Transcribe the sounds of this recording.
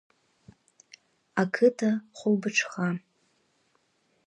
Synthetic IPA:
akʰɨtʰaχʷʊlbɨʈ͡ʂʰχa

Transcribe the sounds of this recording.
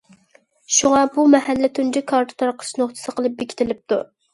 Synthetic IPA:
ʃuŋɑbumɛhælːɪt̪ʰund͡ʒɛkʰɑɾt̪ʰʊ̥t̪ʰɑɾqʰə̥ʃnoχt̪ʰɨ̥sɨqʰəlˠɨp̚bekʲʰɪ̥t̪ʰɪlɪp̚t̪ʰu

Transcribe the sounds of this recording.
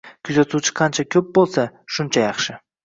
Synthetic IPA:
kʲʰʊzat̪ʰut͡ʃʰɪ̥qʰɑnt͡ʃʰakʲʰɵp̚bolˠsaʃʊnt͡ʃʰajɑχʃɪ

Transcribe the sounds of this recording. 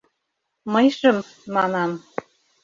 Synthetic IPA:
mɤjʃɤ̆mː | ɑnɑm

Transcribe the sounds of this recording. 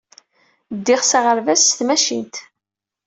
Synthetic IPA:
d̪ːɪχsaʁəɾvæsːθmæʃḭnt̪

